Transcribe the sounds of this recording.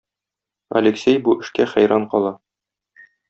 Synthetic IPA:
ɐ̰lʲeksʲejbuʔɘ̆ʃkæχæ̰jɾɑɴqɒlˠɑ

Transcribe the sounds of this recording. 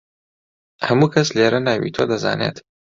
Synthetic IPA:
hɐmuːkʰɐsleːɾɐnaːwḭt̪ʰod̪ɐza̰ːnḛːt̪

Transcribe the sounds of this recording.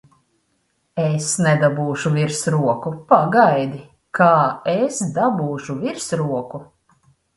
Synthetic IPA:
esnɛd̪abuːʃuviɾsɾuɔkupaɡajd̪i | kʰaːesd̪abuːʃuviɾsɾuɔku

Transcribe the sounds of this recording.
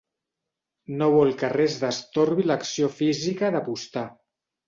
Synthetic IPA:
noβɔlˠkərɛzðəst̪oɾβiləksiofizikəðəpust̪a

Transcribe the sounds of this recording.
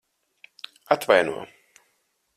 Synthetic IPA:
at̪vajnṵɔ

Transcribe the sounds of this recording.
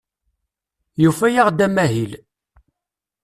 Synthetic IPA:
jufæjaʁd̪æmæɦil

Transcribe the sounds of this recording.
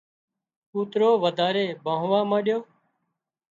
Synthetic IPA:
uːt̪ɾoːʋəd̪ʱaːɾeːbʱãːɦʋãːmãːɗjoː

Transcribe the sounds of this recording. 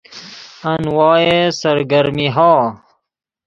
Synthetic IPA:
ɐnwɑːjesɐɾɡɐɾmiɦɑː

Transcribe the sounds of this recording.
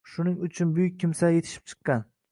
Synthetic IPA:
ʃʊnɪŋʊt͡ʃʰʊnbʊjʊk̚ʲʰːɪmsaje̞t̪ʰɪ̥ʃɪ̥p̚t͡ʃʰɨ̥qːɑn

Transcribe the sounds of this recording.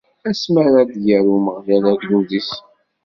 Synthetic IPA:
æsməɾad̪jəɾuməʁjælæɡluðis

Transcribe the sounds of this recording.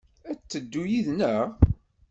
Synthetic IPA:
æt͡sːəd̪ːujiðnəʁ

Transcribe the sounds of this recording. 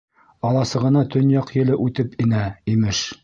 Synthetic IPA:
ɑlˠɑsɤ̆ʁɤ̆nɑt̪ɵ̆njɑqjɘ̆lɘʔʉt̪ɘpinæimɘʃ

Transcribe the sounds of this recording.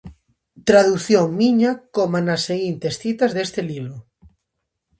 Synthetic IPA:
t̪ɾaðuθjoŋmiɲakomanaseɣint̪esθit̪azðest̪eliβɾo

